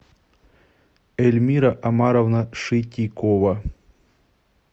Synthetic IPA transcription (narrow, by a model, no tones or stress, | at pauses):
ɛlʲmʲiɾɐʔɐmaɾɐvnɐʂɨtʲikovɐ